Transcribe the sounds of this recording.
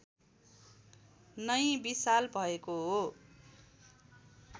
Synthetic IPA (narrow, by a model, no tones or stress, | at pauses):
nʌjbisalbʱʌekoɦo